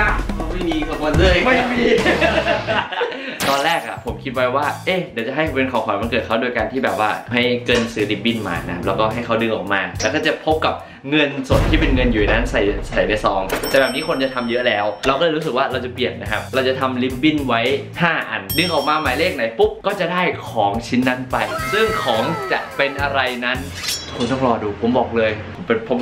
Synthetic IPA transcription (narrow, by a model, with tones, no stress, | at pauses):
ʔa˧˩a˦˥ma˥˩jmiː˧ka˨˩o˧lɯ˥˩jma˥˩miː˧ | t̪ɔː˧nɾlɛː˥˩k̚ʔa̰˨˩pʰo˩˦mkʰi˦t̪̚wa˦˥jwaː˥˩ʔe˧˥˩di˨˩˦wt͡ɕa˨˩ɦa˥˩jpe˧nkʰɔː˨˦kʰɔː˩˦ma˧nkɤː˨˩t̚ʰa˦˥wdoː˧jkaː˧nt̪ʰiː˥˩bɛː˨˩p̚waː˥˩ɦa˥˩jkɤː˧nsɯː˦˥li˦˥p̚bi˥˩nma̰ː˨˧˩na˧˦kʰa˦˥p̚lɛː˦˥wkɔː˥˩ɦa˥˩jkʰa˦˥wdɯ˧ŋʔɔ̰ː˨˩k̚maː˧lɛː˦˥t̪ʰaː˥˩t͡ɕa˨˩pʰo˦˥p̚ka˨˩p̚ | ŋɤ˧nso˨˩t̪̚ʰːiː˥˩p̬e˧nŋɤ˧njuː˨˩˨na˦˥nsa˨˩jsa˨˩jna˧jsɔː˩˦ŋt̪ɛː˨˩bɛː˨˩p̚niː˦˥kʰo˧nt͡ɕa˨˩t̪ʰa˧mjɤ˦˥lɛː˦˥wlɛː˧wkɔː˥˩˧ɾu˦˥sɯ˨˩k̚waː˥˩ɾa˧wt͡ɕa˨˩pli˨˩ənna˦˥kʰa˦˥p̚ɾa˧wt͡ɕa˨˩t̪ʰa˧mli˦˥p̚bi˥˩nwa˦˥jhaː˥˩ʔa˨˩ndɯ˧ŋʔɔː˨˩k̚maː˧maː˨˦jleː˥˩k̚na˩˦jpu˦˥p̚kɔː˥˩t͡ɕa˨˩daː˥˩jkʰɔː˩˦ŋt͡ɕʰi˦˥nːa˦˥npa˧jɾɯ˥˩əŋkʰɔː˩˦ŋt͡ɕa˨˩ʔpe˧nʔa˧ɾa˧jna˦˥n | kʰu˧nt̪ɔ˥˩ŋɾɔː˧duː˧pʰo˨˩˦mbɔː˨˩k̚lɤː˧jʰmpe˧npʰo˦˥p̚